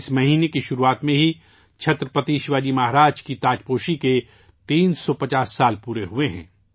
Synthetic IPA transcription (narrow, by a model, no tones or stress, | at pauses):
smɐɦiːnekiʃʊɾuaːt̪mẽɦi | t͡ʃʰɐt̪ɾəpɐt̪iːʃʋaːd͡ʒimaɦɾaːd͡ʒkit̪aːd͡ʒpoːʃike | t̪iːnsɔpɐt͡ʃaːsːaːlpuːɾeɦueɦɛ̰̃ː